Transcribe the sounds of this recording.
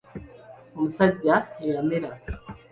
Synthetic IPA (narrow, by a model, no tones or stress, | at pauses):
omusaɟaijamiɾa